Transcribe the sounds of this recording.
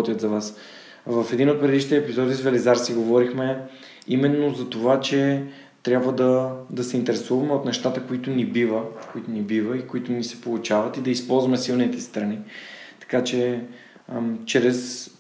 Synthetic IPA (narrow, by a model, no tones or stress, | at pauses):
t̪jət̪zɐvas | vɐfɛd̪inot̪̚pɾɛd̪iʃnit̪ɛpizɔd̪izvɛlɛzaɾsiɡovɔɾixmɛ | imɛnːozɐt̪ovat͡ʃɛ | t̪ɾʲabvəd̪ɐd̪ɐsɛint̪ɛɾɛsuvɐmɛot̪nɛʃt̪at̪əkoit̪ʊnibivəkoit̪onibivəikoit̪ʊnisɛ̥polˠut͡ʃavɐt̪id̪ɐispɔlˠzvɐmɛsilˠnit̪ɛst̪ɾɐnit̪ɐ̥kat͡ʃɛ | t͡ʃɾɛs